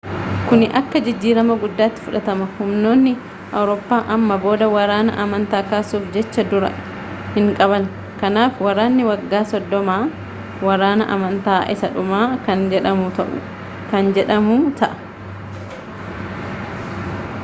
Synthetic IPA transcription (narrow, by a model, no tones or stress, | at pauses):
kʊnɪʔɐkːɐd͡ʒɪd͡ʒːiːɾɐmɐɡʊd̪ːaːt̪ːɪ̥fʊᶑɐt̪ɐmɐhʊmno̞ːnːɪ | ʔɐwɾoːpːaːʔɐmːɐbo̞ːd̪ɐwɐɾaːnɐ̰ʔɐmɐnt̪aːkaːsuːfd͡ʒɛt͡ʃːɐd̪ʊɾɐ̰ | hɪŋkʼɐβɐn | kɐnaːfwɐɾaːnːɪwɐɡːaːsɔd̪ːɔmaː | wɐɾaːnɐ̰ʔɐ̰mɐnt̪aːʔɪsɐᶑʊmaːkɐnd͡ʒɛᶑɐmʊt̪ɐʔʊ̰ | kɐnd͡ʒɛᶑɐmut̪ɐʔɐ̥